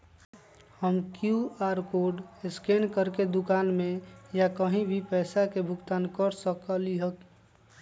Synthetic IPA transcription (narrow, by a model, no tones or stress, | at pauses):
həmkjuaːɾkoɖeskenkəɾked̪ʊkaːnmejakəɦĩbʱipɛɪsakebʱʊkt̪aːnkəɾsəkəliɦək